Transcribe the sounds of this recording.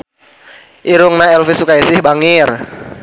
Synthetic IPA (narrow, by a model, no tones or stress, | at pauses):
ʔiɾʊŋnaɛlfisukaisɪhbaŋɪr